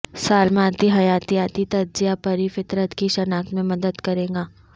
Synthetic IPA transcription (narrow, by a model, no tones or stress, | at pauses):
saːlmãːt̪iɦɐjaːt̪iaːt̪it̪ɐɾzijapɐɾifɪt̪ɾət̪kiʃɐnaːkt̪mẽmɐd̪əd̪kɐɾẽːɡaː